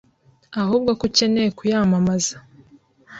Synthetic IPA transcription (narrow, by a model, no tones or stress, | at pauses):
ahuːb̚ɡokuce̞nejekujaːmamaza